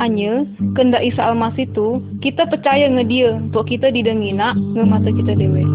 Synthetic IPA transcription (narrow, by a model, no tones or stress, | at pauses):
aɲəkəndaʔisaalmasɪht̪ukit̪apərt͡ʃajaŋədiəunt̪ɔʔkit̪adidəŋinaʔŋəmat̪əkit̪adewɛ